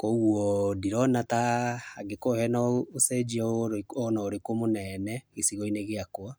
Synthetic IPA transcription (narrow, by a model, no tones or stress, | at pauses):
kowɔdiɾɔnatahaɡekohɛnaosɛd͡ʒiaoɾɔnaoɾekomonɛnɛɣesiɣɔineɣeakwa